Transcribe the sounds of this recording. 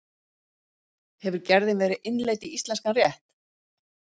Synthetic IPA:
hɛvʏɾcɛɾðɪnvɛːɾɪʔɪnleːjt̪iist̪lɛnskanrjɛht̪

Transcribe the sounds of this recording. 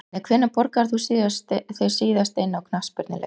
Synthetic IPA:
nɛkʰv̥enːapɔɾkaɾ̥θusst̪θejsiːðast̪ejnːawkʰnaspɪɾt̪ɪlɛ̰

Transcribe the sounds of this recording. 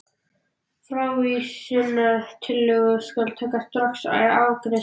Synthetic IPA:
fɾaːwisɪnaðt̪ʰɪlːʏɣʏskalt̪ʰɛːkast̪ɾɔksa̰jaːwkɾɛ

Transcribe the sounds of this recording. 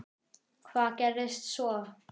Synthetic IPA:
kʰvaːkɛɾɪst̪sɔ

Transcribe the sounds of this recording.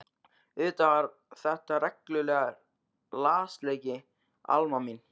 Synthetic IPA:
ʏːt̪avaɾ | θɛht̪aɾɛklʏlɛːɣaɾ | laːst̪leːjcɪ | a̰lmamin

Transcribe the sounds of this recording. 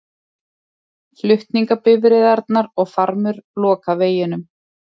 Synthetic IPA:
flʏht̪niŋkapɪvɾɪðaɾt̪naɾɔɣfaɾmʏɾlɔːkaveːjɪnʏm

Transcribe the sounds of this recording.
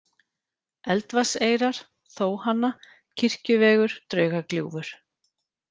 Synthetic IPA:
ɛlt̪vaseːjɾaɾ̥ | θoːwhanːa | cʰɪr̥cʏvɛːɣʏɾ̥t̪ɾœːɥɣakljṵːvʏɾ̥

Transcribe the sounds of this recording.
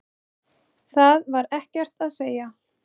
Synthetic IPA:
θaðvaɾɛhcɛr̥t̪aðseːja

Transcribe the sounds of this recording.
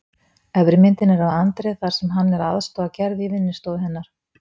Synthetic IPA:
ɛvɾɪmɪnt̪ɪnɛɾavant̪ɾɛθaɾ̥sɛmɦanːɛɾa̰ðst̪oacɛɾðivɪnːɪst̪oːðɦɛnːaɾ̥

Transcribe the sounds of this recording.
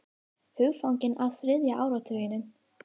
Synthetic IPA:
hʏɣfawɲcɪnawθɾɪðjaʔaːwɾawt̪ʰœːjɪnːʏn

